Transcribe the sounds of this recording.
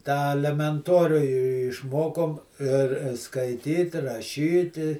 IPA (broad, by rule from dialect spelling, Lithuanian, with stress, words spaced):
tɑː ɐlʲɛmʲɛnˈtoːrʲʊ ɪ ɪ ɪʃˈmoːkoːm ɪr skɐɪˈtʲiːt rɐˈʃʲiːtʲɪ